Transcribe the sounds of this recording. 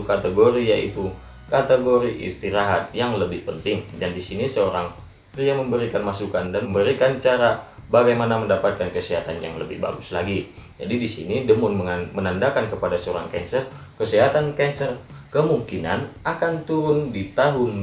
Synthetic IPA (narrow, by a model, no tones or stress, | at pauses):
ukat̪əɡoɾijaʔḭt̪u | kat̪əɡoɾiʔḭst̪iɾaɦat̪̚jaŋləbɪhpənt̪ɪŋdandisinisəoɾaŋ | priaməmbəɾikanmasukandanməmbəɾikant͡ʃaɾa | baɡajmanaməndapat̪̚kankəsəɦat̪anja̰ŋləbɪ̰hba̰ɡʊsla̰ɡi | d͡ʒa̰didisḭnidəmʊnməŋmənandakankəpadasəoɾa̰ŋkɛ̰nsər | kəsəɦat̪ankɛnsər | kəmuŋkina̰nakant̪uɾʊndit̪aɦʊn